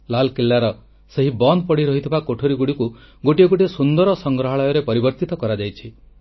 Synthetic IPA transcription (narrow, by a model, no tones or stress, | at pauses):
lalkelːaɾɔ | seɦibɔnd̪̚pɔɽiɾɔɦit̪ʰibakoʈʰoɾiɡuɽiku | ɡoʈiɔɡoʈiɔsund̪ɔɾɔsɔŋɡɾɔɦaɭɔjɔɾepɔɾibɔɾt̪it̪ɔkɔɾad͡ʒajt͡ʃʰi